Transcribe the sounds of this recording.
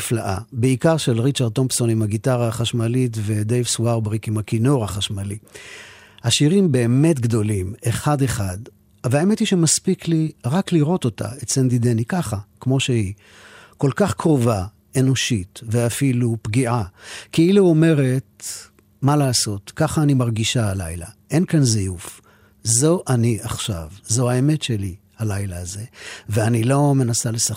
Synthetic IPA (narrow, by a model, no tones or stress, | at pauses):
fla̰ʔa̰beikaʁʃelʁit͡ʃaʁd̚t̪ːo̞mbso̞nimaɡitaʁaaχaʃmalit̬ve̞d̪ejvswaʁbʁikimakino̞ʁaχaʃmali | haʃiʁimbe̞ːme̞tɡdo̞limeχadeχad | veaeme̞thiʃemaspikliʁakliʁo̞to̞ta̰etsendidenikaχakmo̞ʃehi | ko̞lkaχkʁo̞va | e̞no̞ʃitveafilupɡiʔakeiluo̞me̞ʁe̞t̚ | malaːso̞tkaχaːnimaʁɡiʃaala̰jla̰ʔe̞nkanzijuf | zo̞ʔaniʔaχʃa̰vzo̞hae̞me̞tʃe̞lihalajlaːze̞veanilo̞me̞nasale̞sa